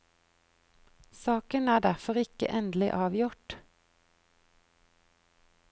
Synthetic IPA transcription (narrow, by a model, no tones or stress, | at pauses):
sɑːkənæːɖæʁfɔʁɪkə̰ʔɛnd̪l̩ɪ̰ʔɑːʋjʊʈ